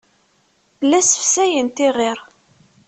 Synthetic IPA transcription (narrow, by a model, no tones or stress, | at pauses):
bəlːæsəfsæjənt̪iʁiɾ